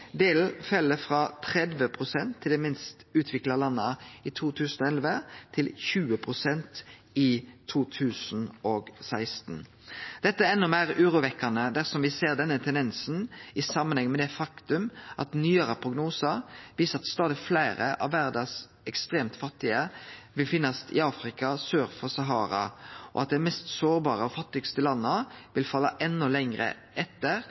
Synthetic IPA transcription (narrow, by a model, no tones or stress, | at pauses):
d̪eːl̩fɛlːəfɾɑːt̪ʰɾɛd̪ʋəpʰʁʊsɛnt̪ʰːɪld̪ɛmɪnst̪ʉːt̪ʰʋɪklɑlɑnːəɪt̪ʰuːt̪ʰʉːsn̩ɔɛlʋət̪ʰɪlçʉːəpʰʁʊsɛnt̪ | ɪt̪ʰuːt̪ʰʉːsn̩ɔɡsæɪst̪n | d̪̥ɛt̪ːəæɛnːɔmæːɾʉːɾʊʋɛkːɑnəd̪æʁsɔmʋɪseːʁd̪ɛnːət̪ʰɛnd̪ɛnsn̩ɪsɑmːənhɛŋːmɛd̪ɛfɑkt̪ʉmʔɑ̰t̪nyːəɾəpʰʁʊɡnuːsɑʋiːsəʁɑt̪st̪ɑːd̪ɪflæɪɾə̰ʔɑ̰ʋːæɾd̪ɑs | ɛkst̪ɾeːmt̪fɑt̪ːɪəʋɪlfɪnːɑst̪ʰɪ̰ɑːfɾɪkɑsøːɾfɔsɑɦɑːɾɑ̰ɔ̰ɑt̪̚d̪ɛmɛst̪soːʁbɑːɾəɔfɑt̪ːɪɡst̪əlɑnːəʋɪlfɑlːɑʔɛnːɔlɛŋɾə̰ | ʔɛt̪ːəʁ